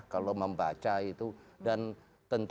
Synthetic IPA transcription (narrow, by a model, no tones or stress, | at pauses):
kaloməmba̰t͡ʃait̪udan | t̪ənt̪